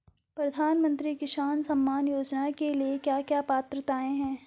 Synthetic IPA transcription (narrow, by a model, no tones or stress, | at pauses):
pɾɐd̪ʱaːnmə̃nt̪ɾikɪʃaːnsɐ̃mːaːnjoːd͡ʒnakeliekjaːkjaːpaːt̪ɾət̪aːẽɦɛ̃ː